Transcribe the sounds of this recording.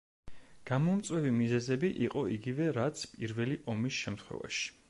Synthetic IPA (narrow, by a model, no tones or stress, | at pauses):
ɡ̥amɔmt̪sʼwɛvimizɛzɛbiʔiqʼɔiɡivɛɾat̪sʰpʼiɾvɛliʔɔmisʃɛmt̪χwɛ̰va̰ʃi̥